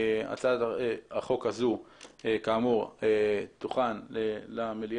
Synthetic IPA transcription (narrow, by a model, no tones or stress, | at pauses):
a̰t͡sad̪eaχo̞khazuekaːmuʁet̪uχanlelamili